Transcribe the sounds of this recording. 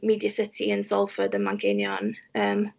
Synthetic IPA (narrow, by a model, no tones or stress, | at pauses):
miːdjəsɪtʰiənsɔlˠfədənmaŋkʰenjɔnəːm